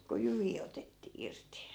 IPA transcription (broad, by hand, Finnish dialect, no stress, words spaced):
ku jyʋiː otetːiː irti